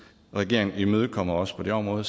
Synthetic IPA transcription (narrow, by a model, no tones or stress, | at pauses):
ʁɛɡe̝ɐ̰e̝ŋn̩imøːð̞ˠkʰɒ̽m̰ɐɒ̽sə̥pʰɒ̽d̥e̝ɒ̽mʁɔ̽ːð̩ˠ